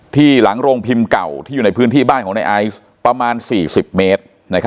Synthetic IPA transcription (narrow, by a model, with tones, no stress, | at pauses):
t̪ʰiː˥˩la˩˦ŋɾoː˧ŋpʰi˧mka˨˩wt̪ʰiː˥˩u˨˩a˧jpʰɯː˦˥nt̪ʰiː˥˩baː˥˩nkɔ˩˦na˧jʔa˧˥js | pɾa˧maː˧nsiː˨˩si˨˩p̚meː˦˥t̪̚ | na˦˥kʰa˦˥